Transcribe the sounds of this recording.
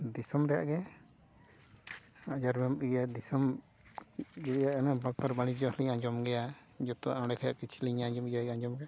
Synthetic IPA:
d̪isɔmɾɛja̰ʔɡɛ | ad͡ʒaɾmɛmijad̪isɔm | ɡɛjaʔanabak̚paɾbaɽ̃id͡ʒɔliɲaɲd͡ʒɔmɡɛja | d͡ʒɔt̪ɔa̰ʔɔ̃ɽɛkʰaja̰ʔkit͡ʃʰliɲaɲd͡ʒɔmiaɡaɲd͡ʒɔmɡɛja

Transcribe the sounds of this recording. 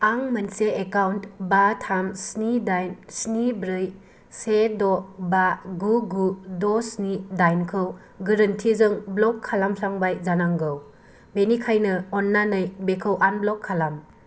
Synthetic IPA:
aŋmɐnseekawntbatʰamsnidajnsnibɾɯj | sedɔbaɡuɡudɔsnidajnkʰɯw | ɡɯɾɯntʰizɯŋblɔkʰːalamsaŋbajzanaŋɡɯw | benikʰajnɯɔnːanɯjbekʰɯwʔanblɔkʰːalam

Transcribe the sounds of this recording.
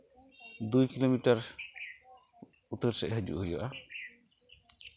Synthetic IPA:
d̪ujkilomiʈaɾ | ut̪eɾʃeʔɦəd͡ʒṵʔɦojoʔa

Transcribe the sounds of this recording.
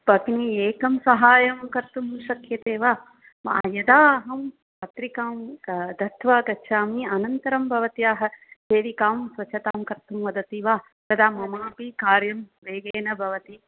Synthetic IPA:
pɐɡnieːkɐmsɐɦaːjɐmkɐɾt̪umʃɐkʰjɐt̪eːʋaː | ma̰ːjɐd̪aːɦɐm | pɐt̪ɾikaːmd̪ɐt̪ʰʋaːɡ̪ɐtːʃʰaːmiɐnɐnt̪ɐɾɐmbʱɐʋɐt̪ijaːɦɐseːʋikaːmsʋɐt͡ʃʰɐt̪aːmkɐɾt̪umʋɐd̪ɐt̪iʋaː | t̪ɐd̪aːmɐmaːpikaːɾjɐmʋeːɡeːnɐbʱɐʋɐt̪i

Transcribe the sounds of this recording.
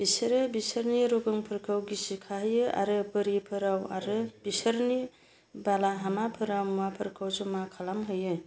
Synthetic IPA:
b̥isɯɾɯbisəɾniɾoɡɯŋpʰɯɾkʰawɡisikʰaɦɯjɯa̰ɾɯpɯɾipʰɯɾawa̰ɾɯb̥isəɾni | balaɦamapʰɯɾawmuapʰɯɾkʰawzɔmakʰalamɦɯjɯ

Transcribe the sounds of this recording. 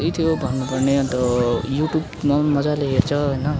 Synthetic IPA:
it̪ʰjobʱʌnːupʌrneʌt̪ʌjuʈjub | mamʌd͡zaleɦert͡sʰʌɦojnʌ

